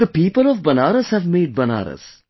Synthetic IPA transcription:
d̥̪əpiːpəlɔʋbɐnaːɾəshɛʋmeːɖ̚bɐna̰ːɾə̰s

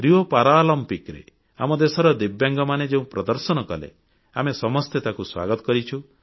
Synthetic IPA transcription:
ɾiopaɾalɔmpikɾḛ | a̰mɔd̪esɔɾɔd̪ibjaŋɡɔmaned͡ʒeũpɾɔd̪ɔɾsɔnɔkɔ̰lḛ | amesɔmɔst̪et̪akuswa̰ɡɔt̪ɔkɔɾit͡ʃʰu

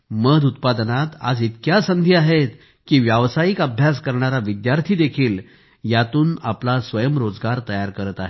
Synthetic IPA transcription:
məd̪ut̪pad̪nat̪a̰d͡zit̪kjasənd̪ʱiaɦet̪ | kiːʋjaʋsajikabʱjas̬kəɾɳaɾaʋid̪jaɾt̪ʰiːd̪ekʰiːl | jat̪uːnaplasʋəjəmɾod͡zɡaɾt̪əjaɾkəɾət̪aɦe

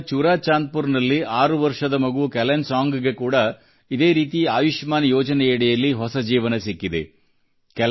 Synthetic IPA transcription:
t͡ʃuɾaːt͡ʃːaːn̚puɾnɐlːiʔaːɾɯʋɐɾʂɐðɐmɐɣɯʋɯkɛlɐnsaːŋɡɯɣɐkːuːɽɐ | ɪðeːɾiːt̪iaːʋɪʂmaːnɐjoːd͡ʒɐnɐjɛɽɐjɐlːiɦɔsɐd͡ʒiːʋɐnɐsɛkːɪðḛ | kɛ

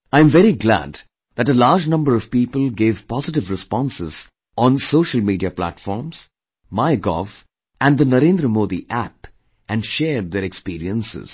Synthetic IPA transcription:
ãɪə̃mvɛɾiɡlæ̰d̪ | ðæʈəlaːɾd͡ʒnʌ̃mbəɾɔv̥piːpəlˠɡeːv̥pɔzɪʈ̬ɪvɾɪspɔ̃nsɪz̥ | ʔɔ̃nsoːʃəlmiːɖiaplæ̰ʈfɔːɾmz̥ | maɪɡɔ̰f | æ̃nd̪ənəɾẽnd̪ɾəmoːd̪iʔæp | ʔæ̃nɖʃeːɖ̚d̪eɾɛkspiːɾiə̃nsɪ̰z̥

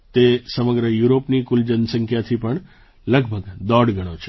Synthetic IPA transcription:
t̪esəməɡɾəjuɾopnikuld͡ʒənsəŋkʰjat̪ʰipəɳ | ləɡbʱəɡd̪ɔɽɡʱəɽ̃ot͡ʃʰe

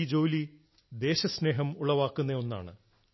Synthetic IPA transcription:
d͡ʑo̞ːli | d̪e̞ːɕɐsne̞ːɦɐmuɭɐʋaːkːunːeonːa̰ːɳɨ̰

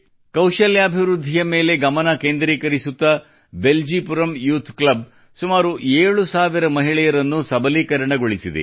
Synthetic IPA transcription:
kɐwʃɐljaːbʱiʋɾud̪ʱːijɐme̞ːle̞ɡɐmɐnɐkeːnd̪ɾiːkɐɾisut̪ːɐ | be̞ld͡ʒipuɾɐmjuːt̪ʰklɐb | sumaːɾuʔeːɭusaːʋiɾɐmɐɦiɭɛjɐɾɐnːusɐbɐliːkɐɾɐɳɐɡoɭisid̪ḛ

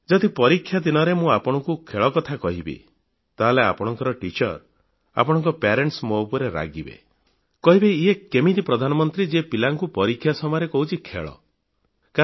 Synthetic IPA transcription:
d͡ʒɔd̪ipɔɾikʰːjad̪inɔɾemũapɔɽ̃ɔŋkukʰeɭɔkɔt̪ʰakɔɦibḛ | t̪aɦlea̰pɔɽ̃ɔŋkɔɾɔʈit͡ʃɔɾ | a̰pɔɽ̃ɔŋkɔpaɾeɳʈsmoupɔɾeɾa̰ɡibḛ | kɔɦibeiekemid̪ipɾɔd̪ʱanɔmɔnt̪ɾid͡ʒepilaŋkupɔɾikʰːjasɔmɔjɾekɔɦut͡ʃʰikʰḛɭɔ̰ | ka

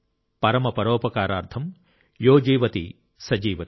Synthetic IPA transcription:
pɐɾɐmɐpɐɾoːpɐkaːɾaːɾt̪ʰɐm | joːd͡ʒiːʋɐt̪ḭ | sɐd͡ʒiːʋɐ

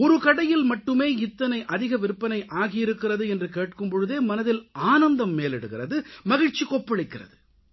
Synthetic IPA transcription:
ɔɾɯkɐɽɐjɪlmɐʈːɯmeːɪt̪ːɐnɐɪʔɐðɪɣɐʋɪɾɯpːɐnɐɪʔaːɣɪjɪɾɯkːɪrɐðɯɛndrɯkeːʈkɯmpɔɻɯðeːmɐnɐðɪlaːnɐnd̪ɐmːeːlɛɽɯɣɪrɐðɯmɐɣɪɻt͡ʃikɔpːɐɭɪkːɪrɐ̰ðɯ

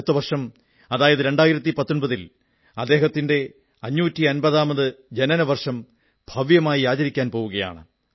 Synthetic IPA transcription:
t̪ːɨʋɐrʂɐm | ɐðaːjɐðɨɾe̞ɳɖaːjiɾɐt̪̬ːipɐt̪ːo̞nbɐðil | ɐd̪ːe̞ːɦɐt̪ːinde̞ | ɐɲːuːtːiɐnbɐðaːmɐðɨd͡ʑenɐnɐʋɐrʂɐm | b̥ʱɐʋjɐmaːjiaːd͡ʑɐɾikʲːaːnpo̞ːʋuɣɐja̰ːɳɨ̰

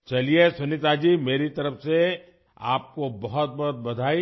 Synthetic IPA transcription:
t͡ʃɐliesʊnɪt̪aːd͡ʒiːmeːɾit̪ɐɾəfse | a̰ːp̚kobɐɦʊt̪̚bɐɦʊt̪̚bɐd̪ʱaːi

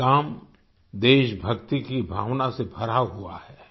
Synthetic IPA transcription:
kaːm | d̪eːʃbʱɐkt̪ikibʱa̰ːʋnasebʱɐɾaɦua̰hɛː

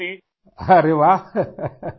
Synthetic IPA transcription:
i | aɾeʋa

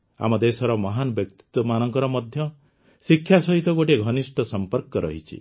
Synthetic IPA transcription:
a̰mɔd̪esɔɾɔmɔɦanɔbjɔk̚t̪i̥t̪wɔmanɔŋkɔɾɔmɔd̪ʱjɔ | sikʰːjasɔɦit̪ɔɡoʈeɡʱɔnisʈɔsɔmpɔɾkɔɾɔ̰ɦit͡ʃʰḭ

